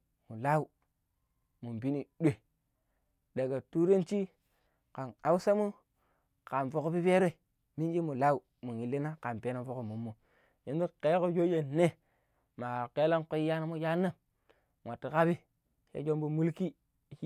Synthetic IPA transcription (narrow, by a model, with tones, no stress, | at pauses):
mu˨la˦u˦ | mu˨mbi˦ni˨ɗʷe˨ | ɗe˨ɡa˨tu˦ɾe˦nt͡ʃi˦ | ka˨na˨˦wu˦sa˦mu˦ | ka˨nfo˨ko˦bi˦pe˦ɾe˦˨ | mi˦nd͡ʒi˦mu˨la˦u˨ | mu˨ni˨lːi˦na˦ka˨mpe˨˦na˦fo˦ko˨mu˨mːu˨ | ji˦n˦du˦ke˦ko˦d͡ʒo˦je˨nːe˦ | ma˨ke˦la˦nko˦ji˦ja˦na˦mu˦ja˦nːa˦ | ŋa˨tːi˨ka˦bi˦ | jḛ˦d͡ʒo˦mbu˦mu˦lki˦˨˦